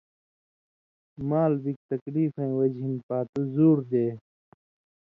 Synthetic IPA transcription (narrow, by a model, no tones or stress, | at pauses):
maːlbik̚t̪ɐkliːfɐ̃ĩwɐd͡ʑɦinpaːt̪uzuːɾd̪eː